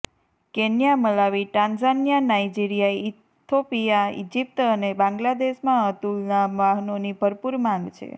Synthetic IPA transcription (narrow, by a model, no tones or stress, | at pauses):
kenjaməlaʋiʈãnzanjanaid͡ʒiɾijaei | t̪ʰːopijaḭd͡ʒip̚t̪ənebãŋɡlad̪eʃmãət̪ulnaʋaɦnonibʱəɾpuɾmãŋɡt͡ʃʰḛ